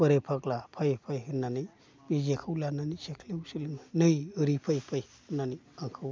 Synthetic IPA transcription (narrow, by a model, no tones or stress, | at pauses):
bəɾepʰaklapʰajpʰajɦɯnːanɯj | bizekʰɯwlananisekʰliwsilinnɯjɯɾipʰajpʰaj | nːani | aŋkʰɯw